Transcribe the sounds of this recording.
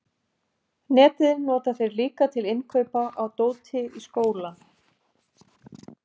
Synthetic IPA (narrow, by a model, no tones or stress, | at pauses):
nɛːt̪ɪðɪnɔːt̪aθejɾliːkat̪ʰɪlɪnkʰœɥpaʔawt̪oːwt̪ʰɪiskoːwla